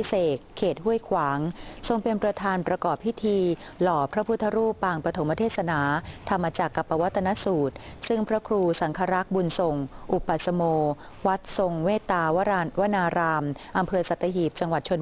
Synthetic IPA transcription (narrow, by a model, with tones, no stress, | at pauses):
seː˨˩kʰːeː˨˩t̪̚hu˥˩əjkʰwaː˩˦ŋso˧ŋpe˧npɾa˧t̪ʰaː˧npɾa˧kɔː˨˩p̚ʰːi˦˥t̪ʰiː˧lɔː˩pʰɾa˦˥pʰu˦˥t̪ʰːa˧ɾuː˥˩pːaː˧ŋpɾa˧t̪ʰo˩˦mpa˧t̪ʰeː˥t̪̚sa˧naː˩˦t̪ʰa˧mːaː˧t͡ɕaː˨˩kːa˨˩pːa˧wa˦˥t̪ʰːa˧na˦˥suː˨˩t̪̚sɯ˥˩ŋpʰɾa˦˥kʰɾuː˧sa˩˦ŋkʰaː˧ɾa˦˥k̚bu˧nso˨˩ŋʔu˨˩ba˨˩t̪̚sa˧moː˧ | wa˦˥t̪̚so˧ŋmeː˥˩t̪ːaː˧wa˥˧wa˦˥naː˧ɾaː˧mʔa˧mpʰɤː˧sa˨˩t̪ːa˧ɦiː˨˩p̚t͡ɕa˧ŋwa˨˩t̪̚t͡ɕʰo˧n